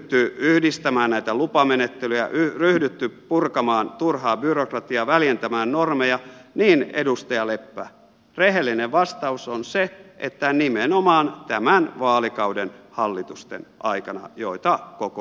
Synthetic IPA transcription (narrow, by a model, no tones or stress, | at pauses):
t̪ːyyhdist̪æmæːnnæit̪ælupɑmenet̪ːelyjæ̰ʔyryhdyt̪ːypurkɑmɑːnt̪urhɑːbyrokrɑt̪iɑʋæljent̪æmæːnnormejɑniːnḛdust̪ɑjɑlepːæ̰ː | reɦelːineʋʋɑst̪ɑusonseʔḛt̪ːænimenomɑːnt̪æmænʋɑːlikɑuwdenhɑlːit̪ust̪ḛnʔɑikɑnɑ̰jo̰it̪ɑkoko